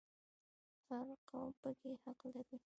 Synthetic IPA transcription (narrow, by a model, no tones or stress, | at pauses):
saɾqawpəkehaqlaɾi